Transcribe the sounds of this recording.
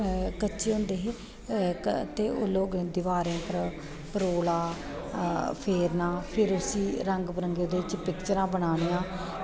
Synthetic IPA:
kət͡ʃʃeːɦʊ̃nd̪eːɦeː | t̪eːʔʊloːɡd̪ɪʋaːɾẽːp̪əɾ | pəɾoːlaː | pʰeːɾnãːpʰɪɾʊsiːɾəŋɡpəɾəŋɡed̪eːɪt͡ʃpɪkt͡ʃəɾãːbəɽ̃aːɽ̃ijãː

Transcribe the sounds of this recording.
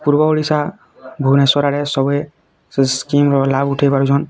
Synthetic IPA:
puɾbɔoɭisa | bʱunɛsɔɾaɾɛsɔbɔj | skimɾɔlabuʈʰejbaɾud͡ʒʰɔn

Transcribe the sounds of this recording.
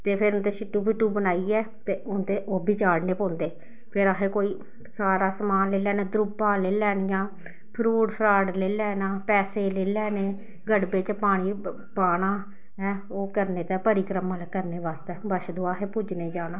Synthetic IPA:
t̪eːpʰɪɾʊnt̪eːsɪʈːuːpɪʈːuːbənaːiːɛː | t̪eːʊnt̪eːʔoːbʱiːt͡ʃaːɽneːpɔ̃ːnd̪eː | pʰɪɾaːɦeːkoːiː | saːɾaːsəmaːnleːlɛːneːd̪ɾʊbãːleːlɛːɽɪjãː | pʰɾuːɖpʰɾaːɖleːlɛːnaːpɛːseːleːlɛːneː | ɡəɽbeːt͡ʃpaːɽ̃iː | paːɽaː | ɛː | oːkəɾneːt̪ɛːpəɾiːkɾəmãːlːkəɾneːbaːst̪ɛːbəʃd̪oːaːɦẽːpud͡ʒneːd͡ʒaːnãː

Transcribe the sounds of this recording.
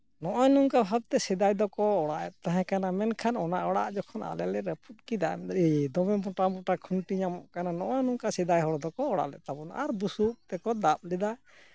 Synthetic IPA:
nɔʔɔjnuŋkaɦab̚t̪ɛsid̪ajd̪ɔkɔɔɽaʔɛt̪̚t̪aɦɛ̃kanamɛnkʰanɔnaʔɔɽaʔd͡ʒɔkʰɔna̰lɛlɛɾəpʰut̪̚ˀkid̪amid̪ɔmɛ̃bɔʈamɔʈakʰunʈiɲamɔʔkananɔʔɔjnuŋkasid̪ajɦɔɽɔd̪ɔkɔːɽa̰ʔlɛ̰ʔt̪abɔna̰ɾbusuk̚t̪ɛkɔd̪ap̚lɛd̪a

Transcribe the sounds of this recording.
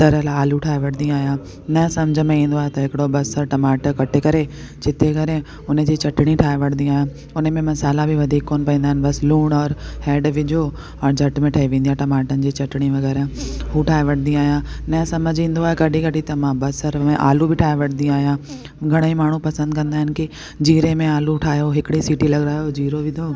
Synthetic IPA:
t̪ɐɾəlaaːluʈʰaːeʋɐɽ̤̃ʰnĩaːɦijãː | nɐsɐmd͡ʑʱəmẽĩːn̆d̪oaːɦet̪ɐɦɪkɪɽobɐsəɾʈɐmaːʈkɐʈʰekɐɾe | d͡ʑʰɪt̪ʰekɐɾẽ | ʊnə̆d͡ʑiːt͡ɕɐʈɪɽ̃ĩʈʰaːeʋɐɽ̤̃nd̪ĩaːɦijã | ʊnmẽmɐsaːlabɪʋɐd̪ʱiːkːoːnpɐĩːnd̪aɦɪnbɐsluːɽ̃ɔːɾhɛːɖʋɪd͡ʑʱo | ɔɾd͡ʑʱɐʈmẽʈʰɐːɦiʋẽːnd̪ijãʈɐmaːʈənɪ̆d͡ʑiːt͡ɕɐʈɽ̃iʋɐɣɛːɾə̃ɦuʈʰaːeʋɐʈnĩaːɦijãnɐ̃sɐməd͡ʑʱĩːnd̪oaːɦekɐɗĩkɐʈit̪ɐmãbɐsɐɾmẽʔaːlubʱɪʈʰaːeʋɐɽ̤̃nd̪ĩaːɦijã | ɡʱɐɽ̃imaːɳ̤upɐsə̃nd̪kɐ̃nd̪aːɦɪnɪkɪ | d͡ʑiːɾemẽaːluʈʰaːjoɦɪkɪɽisiːʈilɐɡɾaːjod͡ʑiːɾoʋɪ̃d̪oː

